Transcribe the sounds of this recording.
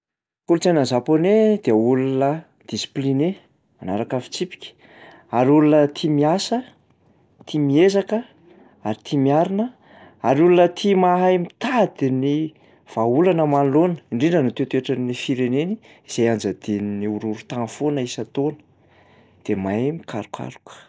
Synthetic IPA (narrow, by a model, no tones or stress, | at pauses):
kulut͡sanəzaponed̪̥eulunə | d̪̥isi̥pline | manaɾakafi̥t͡sipi̥kʲə̥ | aɾiulunət̪ʰimiasə | t̪ʰimiezakə | aɾit̪ʰimiaɾinə | aɾiulunət̪ʰimaɦaemit̪ad̪ini | v̥aulanəmanlonə̥iɳɖ͡ʐiɳɖ͡ʐənut̪et̪ueʈ͡ʂənifiɾeneni | iz̥ajand͡ʒəd̪eniniuɾuɾut̪anfonəisat̪onə̥ | d̪̥emajmikʰa̰ɾukʷʰa̰ɾukə̥